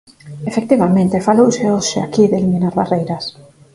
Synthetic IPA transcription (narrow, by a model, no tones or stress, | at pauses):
efek̚t̪iβamẽnt̪efalowseoʃea̰kiðelimĩnaɾβarejɾɐs